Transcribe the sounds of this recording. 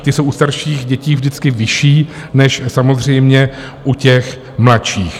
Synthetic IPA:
t̪ɪsowʔust̪aɾʃiːɣɟɛciːvdɪt͡skɪvɪʃiːnɛʃsamozr̝ɛjmɲɛ | ʔucɛx | mlaʃiːx

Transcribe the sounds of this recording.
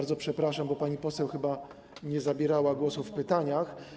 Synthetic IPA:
ɾd̪zɔpʂɛpɾaʂambɔpaɲipɔsɛwxɘba | ɲɛzabʲjɛɾawaɡwɔsufpɘt̪aɲax

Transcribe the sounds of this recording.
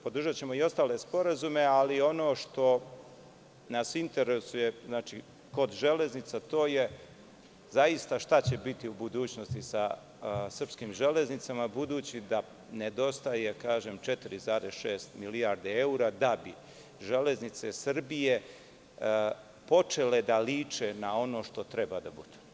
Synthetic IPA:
pod̪uʒat͡ɕe̞mo̞io̞st̪aːlespo̞ɾazume̞alio̞no̞ːʃt̪o̞ | nasint̪eɾesuje̞znaːt͡ʃi | ko̞d̪ʒe̞le̞znit̪sat̪o̞ːje̞ | zajist̪aʃt̪at͡ɕe̞bit̪iubud̪uːt͡ɕno̞st̪isa | sr̩pskimʒele̞znit̪samabud̪uːt͡ɕid̪a | ned̪o̞st̪ajekaːʒemt͡ʃet̪iɾizaːɾesʃeːst̪miliaɾd̪eeuɾad̪abi | ʒele̞znit̪sesr̩bije̞ | po̞t͡ʃeled̪aliːt͡ʃenao̞no̞ːʃt̪o̞t̪ɾebad̪abṵd̪̥e̥

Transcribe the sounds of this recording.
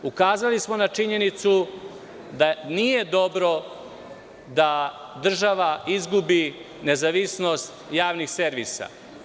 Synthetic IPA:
ukaːzalismo̞nat͡ʂiɲe̞nit̪su | d̪anije̞d̪o̞bɾo̞ | d̪ad̪r̩ʒaʋaizɡubi | ne̞zaʋisno̞st̪jaːʋnixseɾʋisa̰

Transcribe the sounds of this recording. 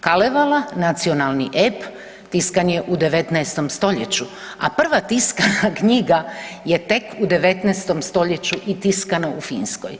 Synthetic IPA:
kaleʋalanat̪sio̞nalˠniʔep | t̪iskanje̞ʔud̪e̞ʋe̞t̪nɛest̪o̞mst̪o̞ʎet͡ɕu | apr̩ʋat̪iskanakɲiɡaje̞t̪e̞kud̪e̞ʋe̞t̪nɛːst̪o̞mst̪o̞ʎe̞t͡ɕuʔit̪iskanaufiːnsko̰j

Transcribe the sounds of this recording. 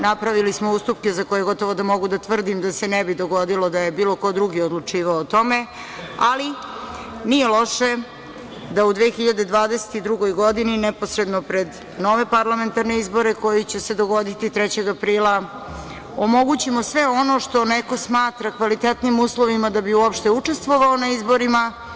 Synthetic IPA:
napɾaʋilismouːst̪upkezakojeɡo̞t̪o̞ʋod̪amo̞ɡud̪at̪ʋr̩d̪imd̪ase̞nɛbid̪o̞ɡo̞d̪ilo̞d̪aje̞biːloko̞d̪ɾuɡiod̪lˠut͡ʂiːʋaoːt̪o̞me̞ | ali | nijelo̞ʃe̞ | d̪aud̪ʋeːxiʎad̪ed̪ʋaːd̪ese̥t̪id̪ɾuɡo̞jɡo̞d̪ininɛpo̞sɾed̪nopɾe̞d̪ | no̞ʋe̞paɾlˠame̞nt̪aɾne̞izbo̞ɾe̞ko̞jit͡ɕese̞d̪o̞ɡo̞d̪it̪it̪ɾɛt͡ɕe̞ɡapɾiːlˠa | omo̞ɡut͡ɕimosʋeo̞no̞ʂt̪o̞neko̞smaːt̪ɾakʋalit̪et̪nimuːslˠo̞ʋimad̪abiuopʃt̪e̞ut͡ʂest̪ʋoʋaonaizbo̞ɾima

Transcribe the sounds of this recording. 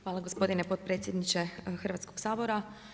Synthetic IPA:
xʋaːlˠaɡo̞spo̞d̪inepo̞t̪̚pɾe̞ːt̪sʲje̞d̪nit͡ʃe̞xr̩ʋat̪sko̞ɡ̥saːbo̞ɾa

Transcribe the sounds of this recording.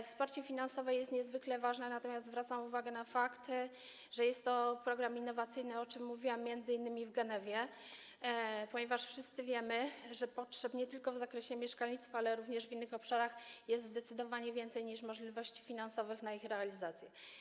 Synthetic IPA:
fspaɾt͡ɕɛfʲinansɔvɛjɛst̪ɲɛzvɘklɛvaʐnɛnat̪ɔmʲast̪zvɾat̪samuvaɡɛnafakt̪ | ʐ̥ɛjɛst̪ːɔpɾɔɡɾaminːɔvat̪sɘjnɘɔt͡ʂɘmːuvʲiwamʲːjɛnd̪zɘinːɘmʲivɡɛnɛvʲjɛ | pɔɲɛvaʂfʂɘst̪sɘvʲjɛmɘʐɛpɔtʂɛpɲɛt̪ɘlkɔvzakɾɛɕɛmʲjɛʂkalʲɲit̪st̪faalɛɾuvɲɛʐvinːɘxɔpʂaɾaxjɛst̪zd̪ɛt̪sɘd̪ɔvaɲɛvʲjɛnt̪sɛjɲiʂmɔʐlʲivɔɕt͡ɕi̥fʲinansɔvɘxnaixɾɛalʲizat̪sʲjɛ

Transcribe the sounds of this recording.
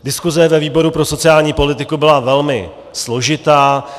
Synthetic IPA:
dɪskuzɛvɛviːbo̞ɾupɾo̞so̞t͡sɪjaːlɲiːpo̞lɪt̪ɪkubɪlavɛlmɪ̰ | slo̞ʒɪt̪aː

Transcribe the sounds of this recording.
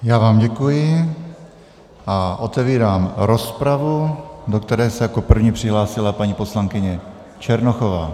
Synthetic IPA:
jaːvaːmɟɛkujɪ | ʔaʔot̪ɛviːɾaːmɾospɾavudokt̪ɛɾɛːsɛjakopr̩vɲiːpr̝̥ɪɦlaːsɪlapaɲipo̞slaŋkɪɲɛ | t͡ʃɛɾnoxovaː

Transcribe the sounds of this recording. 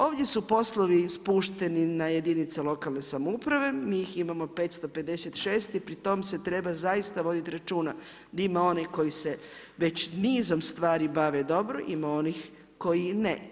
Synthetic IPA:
o̞ːʋd̪ʲje̞supo̞slˠoʋispuːʃt̪e̞ninaje̞d̪init̪selo̞kalnesamoupɾaʋe̞mijiximamo̞pe̞ːt̪st̪o̞pe̞d̪e̞set̪ʃeːst̪ipɾit̪o̞mse̞t̪ɾe̞bazajist̪aʋo̞d̪it̪iɾat͡ʃuːna | d̪aimao̞neko̞jise̞ | ʋe̞t͡ɕniːzo̞mst̪ʋaːɾibaʋed̪o̞bɾoʔimao̞nix | ko̞jine

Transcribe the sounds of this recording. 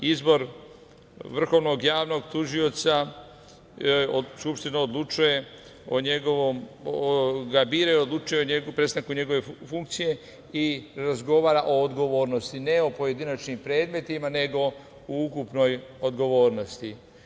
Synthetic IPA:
izbo̞ɾ | ʋr̩xo̞ʋno̞ɡjaːʋno̞ɡt̪uʒio̞t̪sa | skupʃt̪inaod̪lˠut͡ʃuje̞ | oɲeɡoʋom | ɡabiːɾajod̪lˠut͡ʃujeoɲeɡpɾe̞st̪aŋkuɲe̞ɡo̞ʋe̞fuŋk̚t̪sije̞ | iɾazɡo̞ʋaːɾaʔo̞ːd̪ɡo̞ʋo̞ːɾno̞st̪ine̞o̞po̞je̞d̪inat͡ʃnimpɾe̞ːd̪me̞t̪imane̞ɡo̞ | ukupno̞jod̪ɡo̞ʋo̞ːɾno̞st̪i

